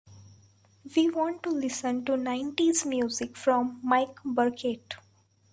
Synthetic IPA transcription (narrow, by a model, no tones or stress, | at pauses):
ʋiːʋɔ̃ːɳʈʈːulɪsə̃nʈunãɪ̃ɳʈizmjuːzɪkfɾɔ̃mːaɪkbəɾkʰeʈ